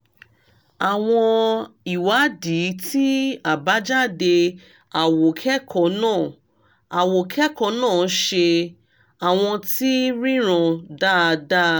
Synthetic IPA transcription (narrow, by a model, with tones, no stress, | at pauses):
a˨w̃ɔ̃˧i˨wa˨˦di˨˦tʰi˦a˨ba˨˦d͡ʒa˦de˧ | a˨wo˨kʰɛ˦kʰɔ˨˦nãː˦˨ | a˨wo˨kʰɛ˦kɔ˧˦nãː˦˨˦ʃe˧ | a˨w̃ɔ̃˧ti˦ɾĩ˦ɾ̃ã˧da˦˨˧da˦